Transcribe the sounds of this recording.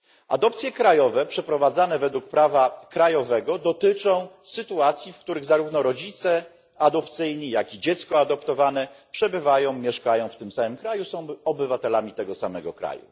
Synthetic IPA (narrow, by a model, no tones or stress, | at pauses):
ʔa̰d̪ɔp̚t̪sʲjɛkɾajɔvɛpʂɛpɾɔvad̪zanɛvɛd̪wuk̚pɾavakɾajɔvɛɡɔd̪ɔt̪ɘt͡ʂɔ̃w̃sɘt̪uat̪sʲjifkt̪uɾɘɣzaɾuvnɔɾɔd͡ʑit̪sɛ | ad̪ɔpt̪sɘjɲijakid͡ʑɛt̪skɔad̪ɔpt̪ɔvanɛpʂɛbɘvajɔ̃w̃mʲjɛʂkajɔ̃w̃ft̪ɘmsamɘmkɾajusɔ̃w̃ɔbɘvat̪ɛlamʲit̪ɛɡɔsamɛɡɔkɾa̰jṵ